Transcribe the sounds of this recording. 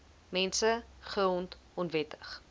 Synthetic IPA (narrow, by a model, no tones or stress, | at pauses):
mɛnsəχəɔnt | ɔnvɛtə̥χ